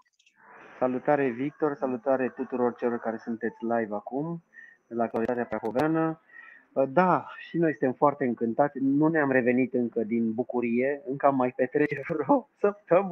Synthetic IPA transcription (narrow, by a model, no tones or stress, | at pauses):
salut̪aɾe̞vik̚t̪o̞rsalut̪aɾe̞t̪ut̪uɾo̞rt͡ʃe̞lo̞rkaɾe̞sunt̪e̞t̪sʲlajvakum | elaːk̚t̪uwalit̪at̪eapɾakoveanə | d̪aʃino̞jsɨnt̪emfoart̪e̞ɨŋkɨnt̪at̪sʲnuneamɾe̞ve̞nit̪ɨŋkəd̪inbukuɾije̞ɨŋkəamːajpe̞t̪ɾe̞t͡ʃevɾosəpt̪əm